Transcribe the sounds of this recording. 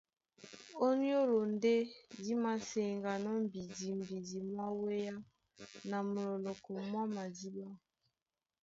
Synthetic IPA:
o˦ni˦o˦lo˨nde˦di˦ma˨se˨ŋɡa˨nɔ˦m̩˨bi˨di˨m˨bi˨di˨mwa˦we˦ja˦ | na˨mu˨lɔ˨lɔ˨kɔ˨mwa˦ma˨di˦ba˦

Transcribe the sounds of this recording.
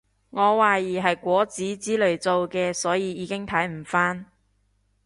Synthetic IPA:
ŋɔː˨˧waː˨jiː˨˩ɦɐ˨jkʷɔː˨˥t͡siː˨˥t͡siː˨˥lɵ˨ɥt͡so˨wkɛː˧sɔː˨˥jiː˨˧jiː˨˧kɪ˥ŋt̪ʰɐ˨˥jm̩˨˩faː˥n

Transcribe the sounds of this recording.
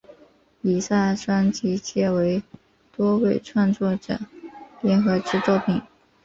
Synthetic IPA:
i˨˩sa˥˩ʂwa˥nt͡ɕi˧˥t͡ɕjɛ˥˩we˧˥ɪ | t̪wɔ˥we˥˩ɪʈ͡ʂʰwa˥˧nt͡swɔ˥˩ʈ͡ʂɤ̰˨˩ljɛ˧˥nxɤ˧˥ʈ͡ʂɻ̩˧˥t͡swɔ˥˩pʰi˨˩˦ŋ

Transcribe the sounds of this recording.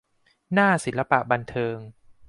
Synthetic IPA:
naː˥˩si˨˩˦nla˧pa˨˩ʔba˧nt̪ʰɤː˧ŋ

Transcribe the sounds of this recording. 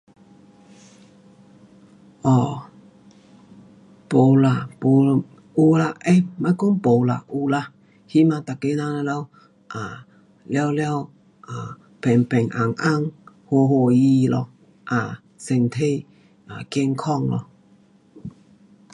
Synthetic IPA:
ʔɔ˨˩ | po˨˦la˨˩po˨˦ | u˧la˧ʔe˧˦mã˧˦jko˦ŋpo˨˧la̰˨ʔu˧la˧ | hi˦mã˧t̪a˨ke˧˦nã˧la˧la˧˦w | ʔa˨ | lja˧wlja˧w | ʔa˨ | pʰɛ˨˩ŋpɛ˨˩ŋʔa˨˩ŋʔa˧˦ŋ | ho˧˨ɦo˧ji˧lɔ˧ | ʔa˨ | se˨˩ŋt̪ʰe˧j | a˨ke˧ŋkʰɔ˥˧˨ŋlɔ̰˧˨

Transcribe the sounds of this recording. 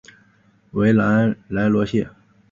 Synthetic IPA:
we˧˥ɪla˧˥nla˧˥nlwɔ˧˥ɕjɛ˥˩

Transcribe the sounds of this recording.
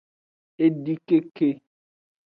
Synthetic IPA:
e˦ɖi˦ke˦ke˦

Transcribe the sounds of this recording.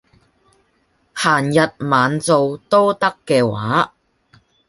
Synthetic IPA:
haː˨˩njɐ˨t̚maː˨˧nt͡so˧wt̪o˥wt̪ɐ˥kːɛː˧wa̰ː˨˥

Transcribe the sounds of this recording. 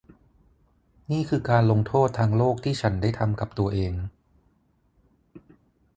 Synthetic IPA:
niː˥˩kʰɯː˧kaː˧nlo˧ŋt̪ʰoː˥˩t̪ʰːaː˧ŋloː˥˩k̚t̪ʰiː˥˩t͡ɕʰa˦˥ndaː˥˩jt̪ʰa˧mka˨˩p̚t̪u˧ɐʔeː˧ŋ

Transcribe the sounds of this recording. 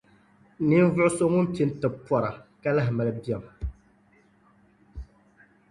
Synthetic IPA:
ni˦n˦vʊ˦ʔʊ˦so˦ŋʊ˦m˦pi˦n˦tɨ˨pːɔ˨ɾa˨ka˦la˦ɦma˨lɨ˨bi˦ɛ˨m

